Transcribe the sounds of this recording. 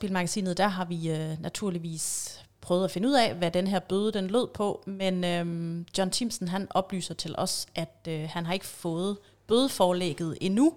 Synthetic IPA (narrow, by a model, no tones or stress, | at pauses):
b̥ḭːlmɑ̈ɡ̥æsḭːnð̩ˠd̥æɦɑ̈ʋinʔæt͡sʰuɐ̰liʋḭːs | pʰʁœːðˠæfe̝nəuð̰ˠɛ̰ʋæd̥enɦeæɐ̰b̥øð̞ˠəd̥enlo̝ð̰ˠpʰɒ̽menød̥jɒnt͡sʰimsn̩ɦænʔɒ̽b̥ly̰ːsɐt͡sʰe̝lʔɒ̽sʔæd̥øhænɦɑ̈e̝ɡ̥ə̥fɔ̽ːð̩ˠ | b̥øð̞ˠəfɒːlḛɡ̥ð̞̩ˠe̝nu